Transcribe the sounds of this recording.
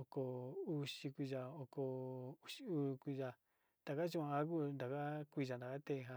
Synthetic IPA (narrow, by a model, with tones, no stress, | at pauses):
o˧ko˧u˧ʃi˧kʷi˧ʒa˧o˧ko˧u˧ʃi˧u˦˧kʷi˧ʒa˧ | d̪̥a˨ka˦t͡ʃũ˦˧a˧a˧˦ku˦˧nd̪a˨ka˦kʷi˦˧ʒa˧nd̪a˨ka˦t̪e˧˨˧ɦã˧